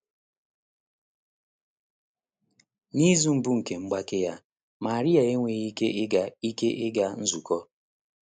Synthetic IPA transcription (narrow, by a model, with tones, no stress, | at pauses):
ni˦zu˨m̩˨bu˦ŋ̩˨ke˨ŋ͡m̩˦ɡ͡ba˦kɪ˦ja˦ | ma˨ɾi˦a˨e˦ŋʷe˨ɣi˦ke˦ɪ˦ɡa˦i˦ke˦ʔɪ˦ɡa˦n̩˦zu˨kɔ˦